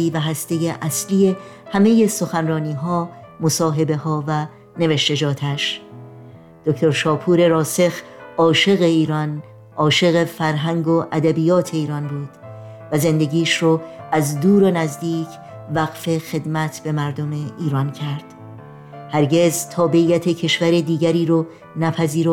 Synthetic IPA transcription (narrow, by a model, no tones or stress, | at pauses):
iːvæɦæst̪e̞jeʔæsliːje̞ | hæmeje̞so̞xænrɒːniːɦɒː | mosɒːɦe̞be̞hɒːvæ | ne̞veʃt̪e̞d͡ʒɒːt̪ʰæʃ | d̪̥okt̪ʰo̞ɾʃɒːpʰuːɾe̞ɾɒːse̞x | ɒːʃe̞ɣe̞iːɾɒn | ʔɒːʃe̞ɣe̞fæɾɦæŋɡoʔæd̪æbijɒːt̪ʰe̞iːɾɒnbuːd̪̥ | væze̞nd̪e̞ɡiːʃɾoæzd̪uːɾonæzd̪iːcʰ | væɣ̥fe̞xe̞d̪mæt̪ʰb̥e̞mæɾd̪o̞me̞iːɾɒncʰæɾd̪̥ | hæɾɟe̞zt̪ʰɒːbe̞ʔiːjæt̪ʰe̞cʰe̞ʃvæɾed̪iːɟæɾiːɾo | næpʰæziːɾo